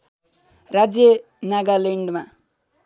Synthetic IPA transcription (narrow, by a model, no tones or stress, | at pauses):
rad͡zjʌ | naɡaleɳɖma